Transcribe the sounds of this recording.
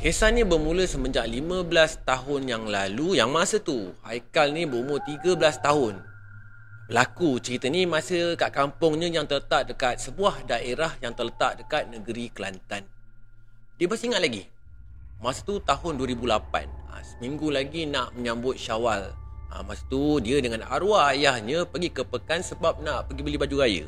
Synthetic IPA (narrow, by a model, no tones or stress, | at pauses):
hesanĩbəmũləsəmə̃ɲd͡ʒaʔlimə̃bəlast̪aɦʊnjaŋlalujaŋmasət̪uha̰jkalnĩbəumʊrt̪iɡəbəlast̪aɦʊn | bəlakut͡ʃəɾit̪ənimãsəkaʔkampʊŋɲə̃jaŋt̪ələt̪aʔ̚dəkat̪̚səbuahdaʔeɾahjaŋt̪ərlət̪aʔ̚dəkat̪̚nəɡəɾikəla̰nt̪an | diəbəsiŋat̪̚laɡi | masət̪ut̪aɦʊnduəɾibulapa̰nə̰səmĩŋɡulaɡinaʔmə̃ɲãmbʊt̪̚ʃawalə̰masə̥t̪udiədəŋãna̰ɾuaːjahɲə̃pəɡikəpəkansəbap̚naʔpəɡibəlibad͡ʒuɾajə̰